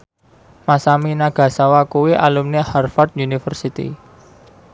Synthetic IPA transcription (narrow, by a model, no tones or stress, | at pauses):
masaminaɡ̥ä̤sawakuwiʔalumneharfɔrt̪unifərsit̪ḭ